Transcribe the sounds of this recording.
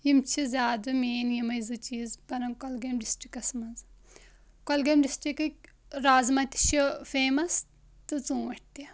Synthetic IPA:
jimt͡ʃʰizʲjaːd̪ɐmeːnjimɐjzut͡ʃiːzbɐɾɐnkɐlɡɐmɖisʈɾikɐsmɐnz | kɔlɡɐmɖisʈɾikɐk | ɾaːzmɐt̪i̥ʃʰifeːmɐs | t̪ɨt͡sũːʋɐʈ̚ʰt̪i

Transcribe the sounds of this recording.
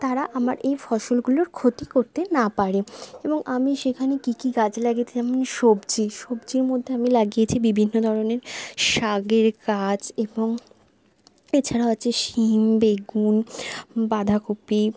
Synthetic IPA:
t̪aɾaʔamaɾʔejfɔʃolɡuloɾkʰot̪ikoɾt̪enapaɾeeboŋʔamiʃekʰanekikiɡad͡ʑelaɡit̪ed͡ʑamonʃobt͡ɕʰiʃobd͡ʑiɾmod̪ʱːeamilaɡijet͡ɕʰibibʱinːod̪ʱɔɾoneɾʃaɡeɾkad͡ʑeboŋ | et͡ɕʰaɾaaːt͡ɕʰeʃimbeɡunbad̪ʱakopi

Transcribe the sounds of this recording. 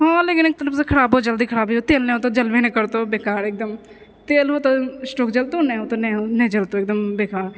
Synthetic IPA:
ɦõːleːkɪnɪk̚t̪ələbskʰəɾaːboːd͡ʒəld̪iːkʰəɽaːbiːoːt̪eːlnɛːoːt̪ãːd͡ʒəlʋeːnẽkəɾt̪oːbeːkaːɾɪk̚d̪əm | t̪eːlɦoːt̪aːsʈoːkd͡ʒəlt̪õːnɛ̃ːoːt̪oːnɛ̃ːonɛ̃ːd͡ʒəlt̪oːɪk̚d̪əmbeːkaːɾ

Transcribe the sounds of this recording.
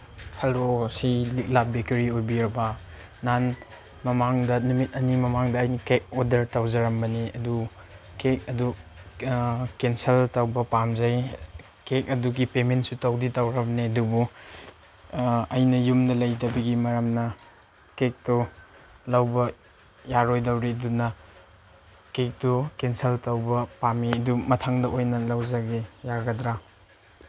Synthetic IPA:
hɐlosilik̚lap̚bekɐɾiojbiɾɐbɐ | nan | mɐmaŋdɐnumit̚ɐnimɐmaŋdɐːjnikek̚odɐɾtawzɐɾɐmbɐniɐ̰du | kek̚ɐdu | kenseltawbɐpamzaj | kek̚ɐduɡipementsutawditawɾɐbniɐdubu | ɐjnɐjumnɐlɐjdɐbiɡimɐɾɐmnɐ | kek̚tɔ | lawbɐ | jaɾojdawɾiɐdunɐ | kek̚tukenseltawbɐpamiɐdumɐtʰaŋdɐʔojnɐlawzaɡejaɡɐdɾa

